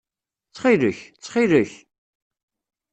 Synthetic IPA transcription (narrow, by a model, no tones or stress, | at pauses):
t͡sːχiləçt͡sːχiləç